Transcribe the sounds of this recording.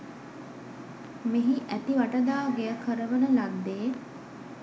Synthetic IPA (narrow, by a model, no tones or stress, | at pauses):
meɦiʔæt̪iʋaʈəd̪aːɡeəkəɾəʋənəlad̪ːeː